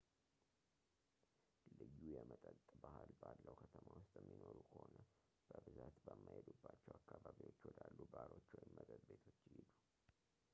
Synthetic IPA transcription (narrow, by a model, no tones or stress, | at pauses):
lɨjːujɛmət̪ʼət̪ʼbahɨlbalːəwkʰət̪ʰəmawʊst̪ʼjɛmːinoɾukʰəhonə | b̥əbɨzat̪bəmːajed̪ubːat͡ʃːɛwakːaβaβiwo̞t͡ʃːwɔd̪alːubaɾo̞t͡ʃːwɔjmːəd̪əd̪be̞t̪ʰo̞t͡ʃːɪhid̪u